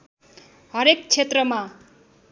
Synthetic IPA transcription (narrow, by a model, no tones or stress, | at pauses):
ɦʌɾek̚t͡sʰet̪rʌma